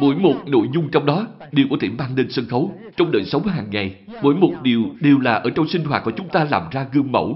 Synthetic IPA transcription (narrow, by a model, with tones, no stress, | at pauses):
mo̰˧˥jmo˨˩t̚no̰˧˨jzʊ˧ŋ͡mt͡ɕɔ˧wŋ͡mɗɔ˨˦ | ɗi˨˩wku˧˩t̪i˧˩mɓaː˧nne˧nsə˧nxə˨˦w | t͡ɕɔ˧wŋ͡mɗeː˧˩nsə˨˦wŋ͡mhɦaː˨˩ŋːa˨˩j | mo̰˧˥jmo˨˩t̚ɗi˨˩əwɗe˨˩wlaː˨˩ʔəː˧˩t͡ɕɔ˧wŋ͡msï˧ŋ̟ɦwaː˨˩t̚ku˧˩˦t͡ɕʊ˨˦ŋ͡mt̪aː˧la̰ː˨˩mzaː˧ɣɨ˧əŋmə̰˧˩w